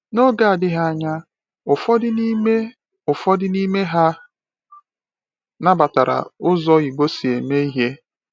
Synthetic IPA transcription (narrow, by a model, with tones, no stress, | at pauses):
no˦ɡa˦˨a˨dɪ˦ɦa˦a˦ɲa˦ | ʊ˨fɔ˦dɪ˦ni˦me˦ | ʊ˨fɔ˦dɪ˦ni˦me˦ɦa˦ | na˦ba˨ta˨ɾa̰˨ʊ˦zɔ˦i˨ɡ͡bo˦si˨e˨me˦i˦ɦe˦